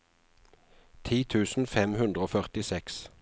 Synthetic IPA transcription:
t̪ʰiːt̪ʰʉːsn̩fɛmhʉnd̪ʁəoːfœʁt̪ɪsɛks

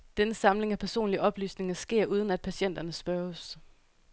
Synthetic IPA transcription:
d̥enəsɑ̈mle̝ŋæpʰæɐso̝̰ːnliəɒ̽b̥ly̰ːsne̝ŋɐsɡ̥e̝ɐ̰ʔuːð̞ˠən̩æd̥̚pʰæsɕen̰d̥ɐnəsb̥ɶɐs

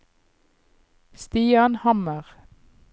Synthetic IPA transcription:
st̪iːɑnhɑməʁ

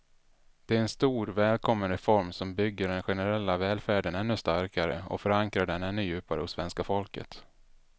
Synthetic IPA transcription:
d̪̥ɛæɾɛnst̪uːɾvɛːlkʰɔmːənɾɛfɔɾmsɔmbʏɡːəɖɛnɧɛnəɾɛlːavɛːlfæːɖənɛnːɵst̪aɾkʰaɾə̰ɔ̰fœɾaŋkɾaɖɛnɛnːɵjʉ̟ːpa̰ɾə̰hʊsːvɛnskafɔlkə̰t̪

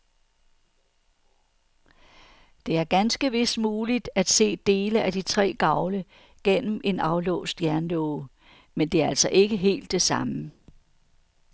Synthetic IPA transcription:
d̥e̝æɐɡ̥ænsɡ̥əʋe̝smuːlid̥æd̥se̝̰ːd̥e̝ːləʔæd̥it͡sʰʁɛ̰ːɡ̥ɑ̈ʊlə | ɡ̥en̰m̩ʔe̝nɑ̈ʊlɔ̰ʊsd̥jæɐnlɔːʊ | mend̥e̝ɐælsɒ̽ʔe̝ɡ̥əɦe̝̰ːld̥ːe̝sɑ̈mə

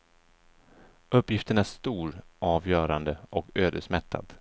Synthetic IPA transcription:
ɵpːjɪft̪əɳæʂt̪uːɾʔɑːvjœːɾand̪əʔɔkøːd̪əʂmɛt̪ʰːa̰d̪̥

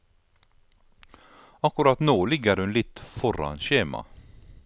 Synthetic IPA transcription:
ɑkʊɾɑt̪noːlɪɡəɾhʉnlɪt̪fɔɾɑ̰nɕeːmɑ̰

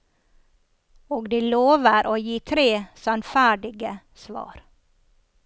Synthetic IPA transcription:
oːɡd̪iːloːʋəɾʔoːjiːt̪ʰɾeːsɑnfæːɖɪɡə | sʋɑ̰ːɾ

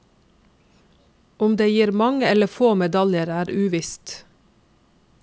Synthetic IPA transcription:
ʊmd̪eːjiːɾmɑŋəɛləfoːmɛd̪ɑljəɾæːɾʔʉːʋɪst̪

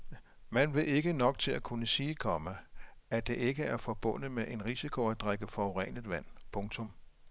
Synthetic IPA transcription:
mænʋe̝e̝ɡ̥ənɒ̽ɡ̥̚t͡sʰe̝lækʰunəsiːkʰɒ̽məæd̥e̝ʔe̝ɡ̥əæɐfɒ̽b̥ɔ̽n̰ðəmeʔe̝nʁisikʰo̝æd̥ʁaɡ̥əfɒoʁɛ̰n̰ið̩ˠʋæn̰pʰɔ̽ŋt͡sʰɔ̽m

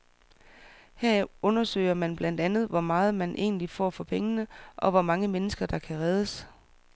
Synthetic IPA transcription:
heɐɔ̽nɐsø̰ɪ̰ɐmænb̥læn̰d̥ænð̞̩ˠʋɒmɑ̈ːð̞̩ˠmænʔe̝̰ːnlifɒ̰ːfɒ̽pʰeŋənəʔɒ̽ʋɒmɑ̈ŋəmenəsɡ̥ɐd̥ɑ̈kʰæʁɛð̞ˠəs

